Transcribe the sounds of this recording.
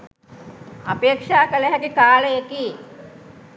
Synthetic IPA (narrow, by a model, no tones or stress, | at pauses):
apeːkʂaːkələɦɛkikaːləekiː